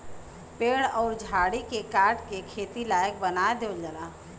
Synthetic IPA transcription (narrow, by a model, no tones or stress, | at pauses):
peːɽɔːɾd͡ʒʱaːɽikekaːɾʈkekʰeːt̪ilaːjək̚bənaːed̪oːld͡ʒəlaː